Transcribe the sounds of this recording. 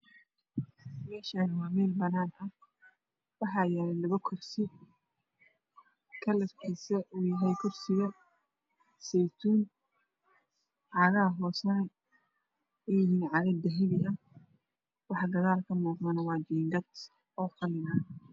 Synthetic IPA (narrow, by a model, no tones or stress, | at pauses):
mɛːʃaːnɐwɑːmɛːlbɐnaːnt̪ʰɐ | wɑħɑːjɛːlɛlɐβɐkʰʊrsɪ | kʰɐlɐfkʰiːsɐʔuːjɐɦɛjkʰʊrsɪɣɐ | sɛjt̪ʰuːn | ʕɑːɣɐɐɦɔːsɐnɛ | ɛhinʕɑɣɐd̪ɐɦɪβɪʔɐ | wɑħɑɡɐðaːlkʰɐmuːqmɐnɐwɑːd͡ʒiːŋɡɐt̪ | ɔːfɐlɪnɐː